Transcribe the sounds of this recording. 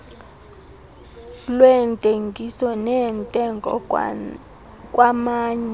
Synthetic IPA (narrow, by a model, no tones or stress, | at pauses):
lwɛntʼeŋɡʱisɔnɛntʼɛŋɡʱɔ̰ | kʼwamaːɲɛ